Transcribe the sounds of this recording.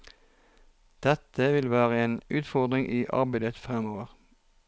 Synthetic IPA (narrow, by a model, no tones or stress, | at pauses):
d̪̥ɛt̪əʋɪlʋæːʁəeːnʔʉːt̪fɔʁd̪ʁɪŋʔiːʔɑ̰ʁbæɪd̪ət̪fʁɛmoːʋəʁ